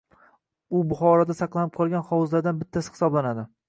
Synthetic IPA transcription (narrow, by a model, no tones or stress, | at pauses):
ʊbʊχɒɾɒd̪asɑqlˠanɪp̚qʰɒlˠɡʲanχɒwzlaɾd̪anbɪt̪ʰːashɪ̥sɒblanad̪ɪ